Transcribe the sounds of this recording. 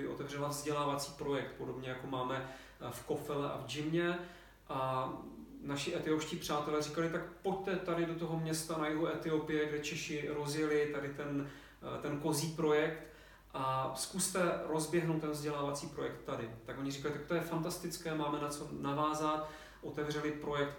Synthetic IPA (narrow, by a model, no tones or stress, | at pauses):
ɪʔo̞t̪ɛvr̝ɛlavzɟɛlaːvat͡siːpɾo̞jɛk̚t̪̚po̞do̞bɲɛjako̞maːmɛ | fko̞fɛlɛʔa̰vd͡ʒɪmɲɛ | ʔa | naʃɪʔɛt̪ɪopʃciːpr̝̥aːt̪ɛlɛːrikalɪt̪ak̚po̞ct̪ɛt̪adɪdo̞t̪oɦo̞mɲɛst̪anajɪɦoʔɛt̪ɪopɪjɛɡdɛt͡ʃɛʃɪɾo̞zjɛlɪt̪adɪt̪ɛn | t̪ɛnko̞ziːpɾo̞jɛkt̪ | ʔaskust̪ɛɾo̞zbjɛɦnowt̪ːɛnvzɟɛlaːvat͡siːpɾo̞jɛkt̪ːadɪt̪akoɲɪrikalɪt̪akt̪o̞jɛfant̪ast̪ɪt͡skɛːmaːmɛnat͡so̞navaːzat̪ | ʔo̞t̪ɛvr̝ɛlɪpɾo̞jɛk̚t̪